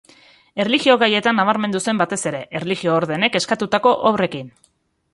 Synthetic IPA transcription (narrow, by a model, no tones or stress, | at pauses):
e̞rliɣio̞ɣaje̞t̪anːaβ̞aɾmend̪use̞mbat̪e̞se̞ɾe̞ʔerliɣio̞ːɾðe̞ne̞ke̞skat̪ut̪ako̞ʔoβre̞kin